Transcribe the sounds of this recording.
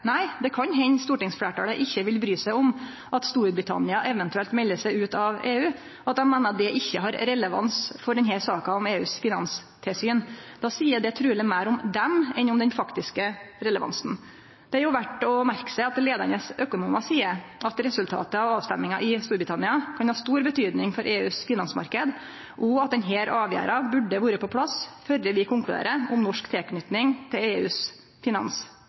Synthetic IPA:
næɪd̪ɛkʰɑnɦɛɲːst̪uːʈɪŋsflæːʈɑɽəʔɪçːəʋɪlbɾyːsæɪɔm | ɑt̪st̪uːɾbɾɪt̪ʰɑ̰nɪɑʔɛʋɛnt̪ʉɛlt̪mɛlːəʂæɪʉːt̪ɑʋeːʉː | ɔɑt̪̚d̪ɛmmːeːnəɾɑt̪̚d̪ɛʔɪçːəɦɑɾɾɛləʋɑ̰nsfɔɖɛnɦæɾsɑːkɑɔmeːʉ̰ːsfɪnɑ̰nst̪ʰɛsyːnd̪̥ɑːsiːəd̪ɛt̪ʰɾʉːɭɛmæːɾʊmd̪ɛmɛnʊmd̪ɛnfɑkt̪ɪskəɾɛləʋɑ̰nsn̩ | d̪̥ɛɑɾjʊʋæʈːɔmæɾksɛɑt̪leːd̪əɳəsøkʊnuːməsiːəɑt̪ɾɛsʉlt̪ʰɑ̰ːt̪əɑʋɑːʋst̪ɛmːɪŋɑʔɪst̪uːɾbɾɪt̪ʰɑnɪɑkʰɑnhɑːst̪uːɾbət̪ʰyːd̪nɪŋfɔɾʔeːʉːsfɪnɑnsmɑ̰ɾkəd̪ | ʔʊɑt̪̚d̪ɛnɦeːɾʔɑːʋjæ̰ːɾɑbʉɖːəʋuːɾəpʰɔpʰlɑsfœljəʋɪkʰʊŋklʉd̪ḛːɾəʊmnɔʂkt̪ʰɛknʏt̪nɪŋt̪ʰɪleːʉːs | fɪnɑ̰ns

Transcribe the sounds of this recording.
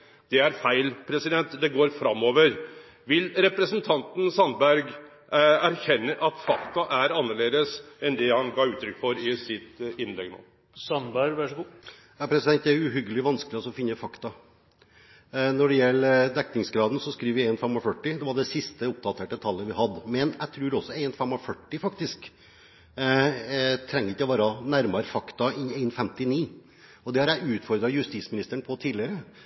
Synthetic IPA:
d̪̥ɛæɾfæɪlpʰɾɛsɪd̪ɛnt̪d̪ɛɡoːɾfɾɑmːoːʋəɾ | ʋɪlɾɛpɾəsənt̪ʰɑnt̪n̩sɑnbæɾɡ | æɾçɛnːəʔɑt̪fɑkt̪ɑʔæɾɑnːəɭeːd̪əsɛnd̪ɛhɑnɡɑːʉːt̪ʰːɾʏkːfɔɾɪsɪt̪ɪnlɛ̰ɡno̰ː | sɑnbæɾɡʋæʂɡuː | jɑːpʰɾɛsɪd̪ɛnt̪̚d̪ɛæɾʉɦʏɡəlɪʋɑnskəlɪɔsɔɔfɪnːəfɑkt̪ɑ | nɔɖɛjɛlːd̪ɛknɪŋsɡɾɑːd̪n̩sɔskɾiːʋəɾʋɪeɪnfɛmɔfœʈːɪd̪ɛʋɑɖɛsɪst̪əʊp̚d̪ɑt̪ʰeːʈət̪ʰɑlːəʋɪhɑd̪mɛnæt̪ʰɾʉːɾɔsːɔeɪnfɛmɔfœʈːɪfɑkt̪ɪsk | t̪ʰɾɛŋːəɾɪtːəɔʋɑːɾɑnæɾmɑɾəfɑkt̪ɑɪneɪnfɛmt̪ɪniː | ɔd̪ɛhɑɾjæɪʉːt̪fɔɾd̪ɾɑjʉst̪iːsmɪnɪst̪əɳpʰɔt̪ʰiːdlɪəɾə

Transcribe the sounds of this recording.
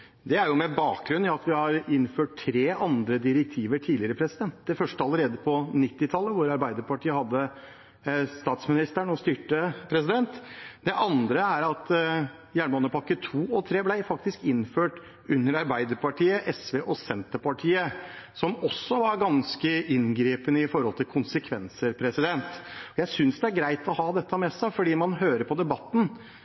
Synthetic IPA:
d̪ɛæɾjʊmɛbɑːk̚ɡɾʉnjɑt̪ʋɪhɑɾɪnːføːʈ̚t̪ʰɾeːʔɑnd̪ɾəd̪ɪɾɛk̚t̪ʰiːʋəʈʰiːlɪəɾəpʰɾɛsɪd̪ɛnt̪̚d̪ɛfœʂʈəɑləɾeːd̪əpʰɔnɪt̪ːɪt̪ʰɑlːəʋʊɾɑɾbæɪd̪əɾpɑʈʰiːəhɑd̪ːə | st̪ɑːt̪smɪnɪst̪əɳɔst̪yːʈəpʰɾɛsɪd̪ɛnt̪d̪ɛʔɑnd̪ɾəæɾɑt̪ | jæːɳmoːnəpɑkːət̪ʰuːɔt̪ʰɾeːblæɪfɑkt̪ɪskɪnføːʈ | ʉnːəɾɑɾbæɪd̪əɾpɑʈʰiːəʔɛsʋeːʔɔsɛnt̪əpɑʈʰiːəsɔmɔsːɔʋɑɾɡɑnskəʔɪnɡɾiːpənəɪfɔɾhɔlt̪ʰɪlkʰʊnsəkʰʋɛnsəɾpʰɾɛsɪd̪ɛnt̪ɔjæɪsʏnsd̪ɛæɾɡɾæɪt̪ɔhɑːd̪ɛt̪ːəmɛsæɪfɔɖiːmɑnɦøːɾəɾpʰɔd̪ɛbɑt̪ːn̩

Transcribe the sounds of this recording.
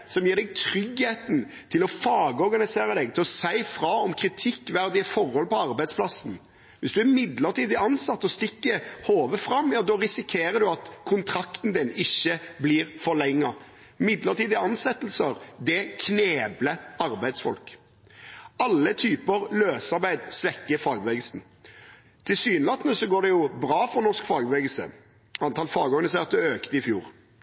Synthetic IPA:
sɔmjiːɾd̪ɛɡt̪ʰɾʏɡheːt̪n̩ | t̪ʰɪlɔfɑːɡəɔɾɡɑnɪseːɾəd̪ɛɡ̚t̪ʰɪlɔsæɪfɾɑɔmkʰɾɪt̪ʰɪkːʋæɾd̪ɪəfɔɾhɔlpɔɑɾbæɪd̪spʰlɑsn̩ | ʋɪsd̪ʉæɾmɪd̪ləʁt̪ʰiːd̪əɑnsɑt̪ːɔst̪ɪkːəhoːʋəfɾɑmːjɑːd̪ɔːɾɪsɪkʰeːɾəd̪ʉɑt̪kʰʊnt̪ʰɾɑkt̪n̩d̪ɪnɪçːəbliːɾfɔʁlɛŋːɑ | mɪd̪ləʁt̪ʰiːd̪ɛɑnsɛt̪ːəl̩səɾd̪ɛkʰneːbləɑɾbæɪd̪sfɔ̰lk | ɑlːət̪ʰyːpəɾløːsɑɾbæɪd̪sʋɛkːəfɑːɡbʋɛːɡəl̩sn̩ | t̪ʰɪsyːnlɑt̪nəsɔɡoːɖ̪ɛjʊbɾɑːfɔnɔʂkfɑːɡbʋɛɡəlsə̰ | ɑnt̪ʰɑlfɑːɡɔɾɡɑnɪs̬eːʁt̪əøːkt̪əɪfjṵːɾ

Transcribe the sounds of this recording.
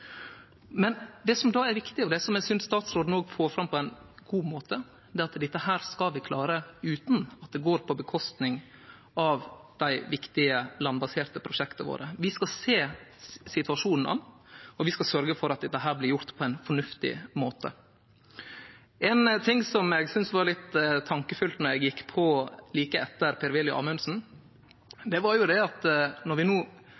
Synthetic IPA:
mɛnd̪ɛsɔmd̪ɑːæɾʋɪkt̪ɪɔd̪ɛsɔmɛsʏnsst̪ɑːt̪sɾoːd̪noːɡfoːɾfɾɑmpʰɔɛɪnɡ̥uːmoːt̪ʰə | d̪ɛːɾɑt̪d̪ɛt̪ːəhæːɾskɑlʋɪkʰlɑːɾəʉːt̪n̩ɑt̪̚d̪ɛɡoːɾpʰɔbəkʰɔst̪nɪŋ | ɑʋd̪̥æɪʋɪkt̪ɪəlɑnbɑseːɾt̪əpʰɾʊʂɛkt̪əʋo̰ːɾəʋɪskɑseːsɪt̪ʉɑʂuːnn̩ʔɑ̰nɔʋɪskɑlsœɾɡəfɔɾɑt̪d̪ɛɦæːɾblɪɾjʊɾt̪pʰɔæɪnfɔɳʉft̪ɪ̰moːt̪ə̰ | ʔɛnt̪ʰɪŋːsɔmɛɡsʏnsʋɑɾlɪt̪ːt̪ʰːɑŋkəfʏlt̪nɔɾɛɡjɪkːpʰɔliːkəɛt̪ːəɾpʰeːɾʋɛljʊ̰ʔɑ̰ːmʉnsn̩ | d̪ɛʋɑɾjʊd̪ɛɑt̪nɔɾʋɪnuː

